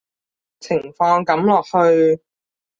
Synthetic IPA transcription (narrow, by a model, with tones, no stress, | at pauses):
t͡sʰɪ˨˩ŋfɔː˧ŋkɐ˨˥mlɔː˨k̚hɵ˧ɥ